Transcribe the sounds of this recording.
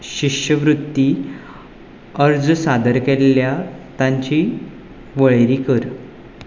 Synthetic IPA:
ɕikɕəʋɾut̪ːi | əɾd͡zsad̪əɾkeljat̪ãɲt͡ɕi | ʋəɭeɾiːkəɾ

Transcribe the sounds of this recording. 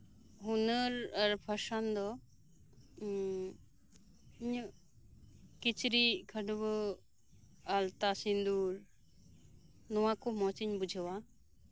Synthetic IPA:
ɦunəɾaɾpʰasand̪ɔ | iɲ | kit͡ʃɾikʰaɖɔbɔ | alt̪asind̪uɾ | nɔwakɔmɔt͡ʃiɲbud͡ʒʱawa

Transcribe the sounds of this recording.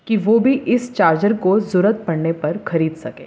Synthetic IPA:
kiʋoːbʱiʔɪst͡ʃaːɾd͡ʒəɾkozʊɾət̪̚pɐɽnepɐɾxɐɾiːd̪sɐ̰kḛː

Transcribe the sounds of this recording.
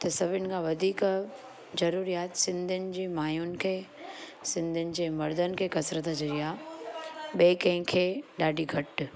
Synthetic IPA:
t̪ɐsɐbʱɪnɪ̆kʰãʋɐd̪ʱiːk | zɐɾuːɾijaːt̪sɪ̃nd̪ʱɪnɪ̆d͡ʑiːmaːjʊnɪ̆kʰeː | sɪ̃nd̪ʱʊnɪ̆d͡ʑeːmɐɾd̪ənɪ̆kʰeːkɐsɾət̪ad͡ʑɐɾijaː | ɓeːkɐ̃ɪ̃kʰeːɗaːɖʱiɡʱɐʈ

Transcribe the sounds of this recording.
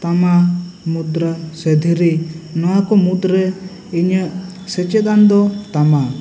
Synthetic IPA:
t̪amamud̪ɾəsɛd̪ʱiɾinɔwakɔmud̪ɾe | iɲəsɛt͡ʃɛd̪and̪ɔt̪ama

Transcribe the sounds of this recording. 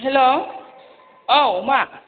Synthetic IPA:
ɦɛlo | oma

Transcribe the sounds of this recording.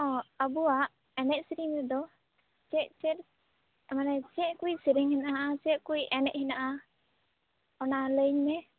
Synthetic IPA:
ɔ̃əbuaʔ | ɛnɛc̚siɾiŋmɛd̪ɔ | t͡ʃɛʔ̚t͡ʃɛt̪̚ | ɛmanɛt͡ʃɛʔ̚kujsiɾiŋhinaʔat͡ʃɛʔ̚kujɛnɛʔ̚hinaʔa | ɔnaləɲmɛ

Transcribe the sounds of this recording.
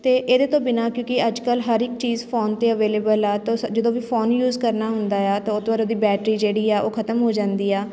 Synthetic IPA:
t̪eːʔeːd̪eːt̪õːbɪnaːkjõːkɪəd͡ʒkəlɦəɾɪk̚t͡ʃiːzpʰoːnt̪eːəʋeːleːbəlɛːt̪õd͡ʒəd̪õːʋiːpʰoːnjuːzkəɾnaːɦʊnd̪aːɛːt̪ãːʊt̪əɾoːd̪iːbɛːʈɾiːd͡ʒeːɽiːɛːʔoːkʰət̪əmɦoːd͡ʒãːnd̪iːɛː

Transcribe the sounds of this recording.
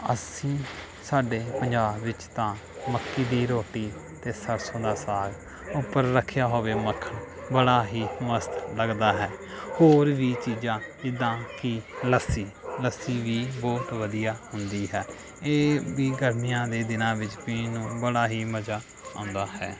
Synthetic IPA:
ə̰sĩː | saːɖeːpəɲd͡ʒaːbːɪt͡ʃt̪ãː | məkːiːd̪iːɾoːʈiː | t̪eːsəɾsõːd̪aːsaːɡ | ʊpːəɾːəkʰjaːɦoːʋeːməkʰə | bəɽaːɦiːməst̪ləɡd̪aːɦɛːhoːɾʋiːt͡ʃiːd͡ʒãːɪd̪ãːkiləsiːləsiːʋiːbɔːt̪ʋəd̪ijaːhʊnd̪iːɦɛː | eːʋiːɡəɾmijãːd̪eːd̪ɪnãːʋɪt͡ʃpiːnũːbəɽaːɦiːməd͡ʒaː | ã̰ːnd̪aːhɛ̰ː

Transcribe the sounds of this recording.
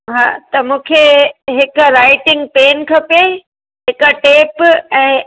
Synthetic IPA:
ɦa̰ːt̪ɐmũːkʰeɦɪkɾaːɪʈɪ̃ŋɡ̚peːnkʰɐpe | ɦɪkəʈeːpɛ̃ː

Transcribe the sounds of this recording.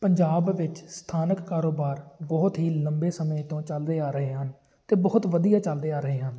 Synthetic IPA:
pəɲd͡ʒaːbʋɪt͡ʃst̪ʰaːnəkːaːɾoːbaːɾbɔɦʊt̪ɦiːləmbeːsəmeːt̪õːt͡ʃəld̪eːaːɾəɦeːɦən | t̪eːbɔːt̪ʋəd̪ijaːt͡ʃəld̪eːaːɾəɦeːɦən

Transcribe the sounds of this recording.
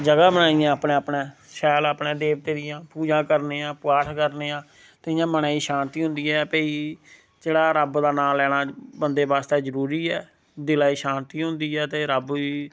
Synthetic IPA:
d͡ʒəɡaːbənaːɪjãːəpnẽːəpneːsɛːləːpnẽːd̪eːʋt̪eːd̪ɪjãːpuːd͡ʒãːkəɾneːãːpʊaːʈʰkəɾneːãː | t̪eɪjãːmənaːiːʃaːnt̪iːɦʊ̃nd̪iːɛːpəːiː | d͡ʒeːɽaːɾəbd̪aːnaːlɛːɽ̃aːbənd̪eːbaːst̪eːzəɾuːɾiːɛː | d̪ɪlaːiːʃaːnt̪iːɦʊ̃nd̪iːɛːt̪eːɾəbiː

